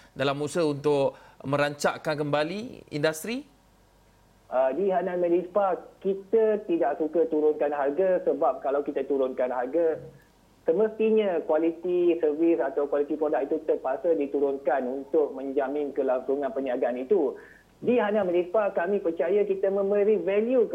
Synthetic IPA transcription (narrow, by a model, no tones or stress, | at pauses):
dalamːusəunt̪ʊkmə̃ɾaɲt͡ʃa̰ʔkankəmbaliḭndast̪ɾi | ʔədiɦanamə̃lispakit̪ət̪idaʔsukət̪uɾʊnkanɦarɡasəbap̚kalawkit̪ət̪uɾʊnkanɦarɡa | səməst̪iɲakwalit̪isərvisat̪awkwalit̪ipɾodak̚it̪ut̪ərpasədit̪uɾʊnkanunt̪ʊk̚mə̃ɲd͡ʒamɪ̃nkəlaŋsuŋãnpəniaɡaʔanit̪u | diɦanaməlispakamĩpərt͡ʃajakit̪əmə̃mbəɾivɛljuk